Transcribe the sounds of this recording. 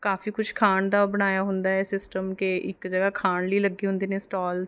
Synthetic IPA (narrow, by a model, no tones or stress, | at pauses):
kaːfiːkʊt͡ʃʰkʰaːɳd̪aːbəɽ̃aːjaːɦʊ̃nd̪aːɛːsɪsʈəmkeʔɪ̰kd͡ʒəɡaːkʰaːɳliːləɡːiːɦʊ̃nd̪eːnẽːsʈaːl